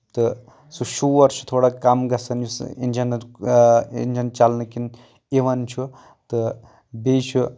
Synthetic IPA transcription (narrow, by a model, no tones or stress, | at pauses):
t̪ɨ | suʃuʋɐɾʃu̥t̪ʰoɽakɐmɡɐsɐnjusḭnd͡ʒɐn | ḭnd͡ʒɐnt͡ʃalnɨkin | eʋɐnt͡ʃʰu | t̪ɨ | bet͡ʃʰu